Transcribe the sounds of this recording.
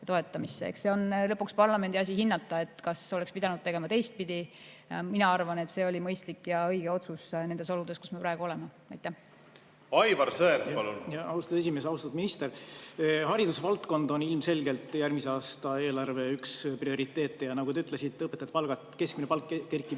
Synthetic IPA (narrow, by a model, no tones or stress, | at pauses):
t̪o̞e̞t̪ːˑɑmisːeḛkse̞o̞nlɤpːˑukspɑrlɑmend̪̥ʲiɑs̬ʲiɦinːɑt̪ːˑɑe̞t̪ːˑkɑso̞lekspid̪ɑnud̪̚t̪e̞ɡ̥e̞mɑt̪e̞jst̪̚pid̪̥iminɑɑrvɑne̞t̪se̞o̞lʲimɤjst̪likːjɑɤjɡ̥e̞o̞t̪susne̞nd̪e̞so̞lud̪̥e̞sku̥smepɾɑeɡ̥uo̞le̞me | ɑ̰jt̪ːæh | ɑjvɑrsɤetɑlṵnjɑɑwst̪ɑd̪esimesɑust̪ɑd̪minist̪eɾ | hɑɾid̪usvɑlt̪ko̞nd̪̥o̞nilmse̞lɡe̞lt̪ːˑjærmiseɑːst̪ɑe̞ːlɑrve̞yksprio̞ɾit̪ːˑe̞ːt̪ːˑejɑnɑɡut̪eyt̪ːlesit̪ːˑɤpːˑet̪ɑjɑt̪pɑlɡ̥ɑt̪ke̞skminepɑlkːerkːˑi